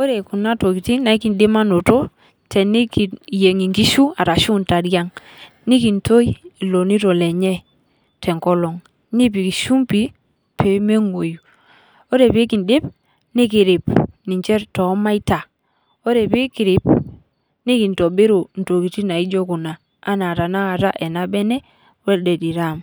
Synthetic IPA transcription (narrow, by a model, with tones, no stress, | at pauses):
o˦ɾe˨ku˨na˦to˨ki˨ti˦na˨i˦ki˨ndɪ˦ma˦no˨to˦ | tɛ˨ni˦ki˨je˨ŋi˨ŋki˦ʃu˦a˨ta˨ʃu˦nta˨ɾja˦ŋ | ni˦ki˨nto˦i˦i˨lo˨ni˦to˨lɛ˨ɲɛ˦ | tʰɛ˨ŋkɔ˦lɔ˨ŋ | ni˦p̬i˨ki˨ʃu˦mpi˦ | pe˨me˦ŋo˨ju˨ | o˦ɾe˨pi˦ki˨ndɪ˦p | ni˦ki˨ɾɪ˨pni˨ɲt͡ʃɛ˦ɾtɔ˨˦ma˦i˦ta˨ | o˦ɾe˨pi˦ki˨ɾɪ˦p | ni˦ki˨n˨to˨be˦ɾo˨n̩˨to˨ki˨ti˦na˨i˦d͡ʒɔ˦ku˨na˨ | a˦na˨ta˨na˦ka˨ta˦ʔɛ˨na˦bɛ˦nɛ˦ | wɛ˦ldɛ˨di˨ɾa˦˨m